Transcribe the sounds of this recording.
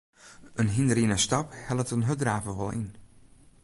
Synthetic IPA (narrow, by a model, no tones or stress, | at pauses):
ənɦindəɾinəstɑphɛlˠətənɦødraːvəʋɔ̰lˠḭn